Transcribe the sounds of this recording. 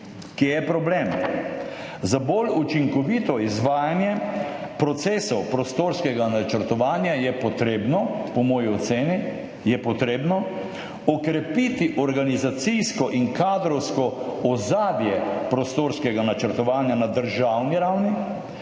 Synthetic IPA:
kejɛpɾɔblem | zabolut͡ʃiŋkɔʋit̪ɔizʋaːjanjɛpɾɔt̪seːsɔwpɾɔst̪oːɾskɛɡanat͡ʃəɾt̪ɔʋaːnjajɛpɔt̪ɾebnɔpɔmɔːjiɔt̪seːni | jɛpɔt̪ɾeːbnɔ | ɔkɾɛpit̪iʔɔɾɡanizat̪sijskɔʔiŋkaːd̪ɾɔwskɔɔzaːd̪jɛpɾɔst̪oːɾskɛɡanat͡ʃəɾt̪ɔʋaːnjanad̪əɾʒawniɾawni

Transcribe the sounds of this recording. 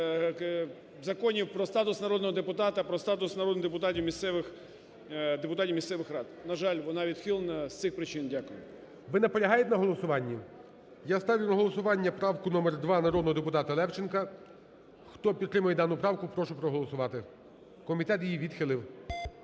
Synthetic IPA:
zɐkɔnʲiwpɾɔst̪ɑt̪ʊsnɐɾɔd̪nɔɦɔd̪epʊt̪ɑt̪ɐpɾɔst̪ɑt̪ʊsnɐɾɔd̪nɪd̪epʊt̪ɑtʲiwmʲist̪sɛʋɪx | d̪epʊt̪ɑtʲiwmʲist̪sɛʋɪxɾɑd̪nɐʒɑlʲʋɔnɑʋʲid̪xilˠnɐst̪ɪxpɾɪt͡ʃɪndʲakʊjʊ | ʋɪnɛpɔlʲɐɦɑjɛt̪enɐɦɔlˠɔsʊʋɑnʲːi | jast̪ɑʋʲijʊnɐɦɔlˠɔsʊʋɑnʲːɐpɾɑwkʊnɔmɛrd̪ʋɑnɐɾɔd̪nɔɦɔd̪epʊt̪ɑt̪ɐlˠɛwt͡ʃɪnkɐ | xt̪ɔpʲid̪ːɾɪmɐjɛd̪ɑnʊpɾɑwkʊpɾɔʃʊpɾɔɦɔlˠɔsʊʋɑt̪ɪ | kɔmʲit̪ɛt̪jijiʋʲid̪xɪlˠɪw

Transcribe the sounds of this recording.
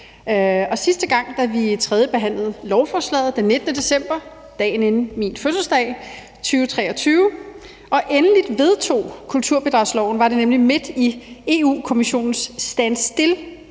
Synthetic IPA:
ɒ̽sisd̥əɡ̥ɑ̈ŋ̰d̥æʋit͡sʰʁɛð̞ˠjəb̥e̝ɦæn̰ləð̞̩ˠlɒʊfɒːslɛ̰ːð̩ˠd̥enːe̝d̥ənəd̥e̝sem̰b̥ɐ | d̥ɛ̰ːnenn̩minføs̬l̩sd̥ɛ̰ɪ | t͡sʰyːʊt͡sʰʁɛːɒ̽t͡sʰyːʊ | ʔɒ̽ʔenəlid̥ʋe̝ð̞ˠt͡sʰo̝̰ːkʰult͡sʰuɐ̰b̥e̝d̥ʁɑ̈ʊslɒʊn̩ʋɑ̈ɾe̝nemlime̝d̥ie̝ːṵːkʰo̝miɕo̝̰ːnn̩sːd̥ænsd̥e̝l

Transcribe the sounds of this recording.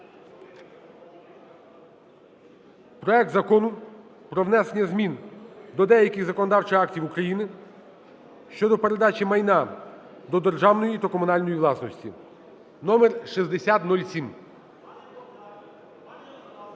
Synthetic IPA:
pɾɔɛk̚t̪zɐkɔnʊ | pɾɔʋnɛsenʲːɐzmʲind̪ɔd̪ɛjɐkɪɣzɐkɔnd̪ɑwt͡ʃɪxɑktʲiwukɾɐjinɪ | ʃt͡ʃɔd̪ɔpe̞ɾed̪ɑt͡ʃimɐjnɑ | d̪ɔd̪erʒɑwnɔjit̪ɐkɔmʊnɑlʲnɔjiʋlˠɑsnɔsʲtʲḭ | nɔmerʃizd̪esʲat̪nulʲsʲim

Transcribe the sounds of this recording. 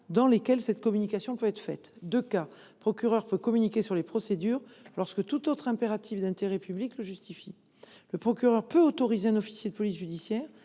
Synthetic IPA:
d̪ɑ̃lekʲɛlsɛt̪kɔmynikasjɔ̃pøɛt̪χfɛt̪d̪øka | pχɔkʲyʁœʁpøkɔmynikʲesyʁlepχɔsed̪yːʁlɔʁskət̪ut̪ot̪χɛ̃peʁat̪ʰifd̪ɛ̃t̪eʁɛpyblikləʒyst̪ifi | ləpχɔkʲyʁœʁpøot̪ɔʁizeɛ̃nɔfi̥sjed̪əpɔlis̬ʒyd̪isjɛːʁ

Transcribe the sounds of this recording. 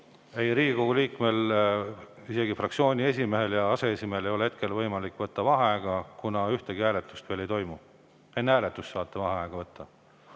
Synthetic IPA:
e̞jɾiːɡiko̞ɡ̥uliːkme̞l | ise̞ɡifrɑkt̪sio̞ːnʲie̞s̬ʲime̞ɦe̞ljɑɑse̞esʲimeelejo̞lee̞t̪̚ke̞lvɤjmɑlikːˑvɤt̪ːɑvɑɦɑæːɡ̥ɑkunɑyht̪eɡ̥iæːle̞t̪ːˑust̪ve̞ːle̞jt̪o̞jmu | e̞nːæːlet̪ːˑust̪ːsɑːt̪ːˑevɑɦɑɑːɡ̥ɑvɤt̪ːɑ

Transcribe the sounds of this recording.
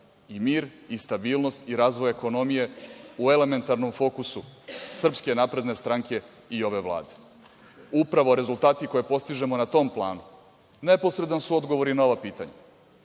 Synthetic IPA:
imiːɾist̪abiːlˠno̞st̪iɾaːzʋojeko̞no̞mije̞ue̞le̞me̞nt̪aɾnomfo̞kususr̩pske̞naːpɾe̞d̪ne̞st̪ɾaŋke̞ | io̞ʋe̞ʋlˠa̰ːd̪e̥ | upɾaʋo̞ɾe̞zulˠt̪aːt̪iko̞jepo̞st̪iʒe̞mo̞nat̪o̞mplˠa̰ːnu | ne̞po̞sɾe̞d̪ansuo̞d̪ɡo̞ʋo̞ɾinaoʋapiːt̪a̰ɲa̰

